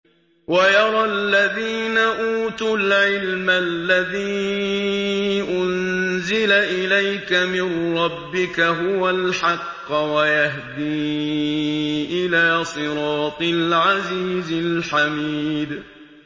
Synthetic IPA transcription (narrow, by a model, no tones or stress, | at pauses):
wajɑɾˤɑlːaðiːnaʔuːt̪ulʕɪlmalːaðiː | ʔʊnzɪlaʔɪlajkamɪnɾˤɑbːɪkaɦʊwalħɑqːwajaɦd̪iː | ʔɪlaːsˤɨɾˤɑːt̪ˤɪlʕaziːzɪlħamiːd̪